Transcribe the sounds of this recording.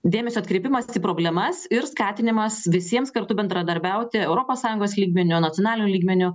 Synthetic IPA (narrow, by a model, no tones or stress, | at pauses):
d̪ʲeːmʲɛsʲoːɐt̪kɾʲeɪpʲɪmɐsiːpɾoːbʲlʲɛmɐsɪɾskɑːt̪ʲɪnʲɪmɐsʋʲɪsʲiɛmskɐɾt̪ʊbʲɛnd̪ɾɐd̪ɐɾʲbʲɛʊt̪ʲɪɛʊɾoːpoːssɑːjʊŋɡoːslʲiːɡmʲɛnʲʊnɐt̪ʲɪoɔnɑːlʲɪnʲʊlʲiːɡmʲɛnʲʊ